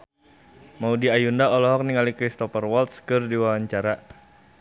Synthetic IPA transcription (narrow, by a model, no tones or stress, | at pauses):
maudiajundaɔlɔɦɔk̚niŋalikɾist̪ɔfərwɔlt̪skɨrdiwawaɲt͡ʃaɾa